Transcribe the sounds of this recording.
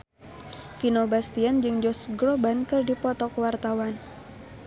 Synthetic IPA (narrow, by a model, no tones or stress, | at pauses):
finobast̪iand͡ʒɨŋd͡ʒɔsɡɾobankɨrdipɔt̪ɔkwart̪awan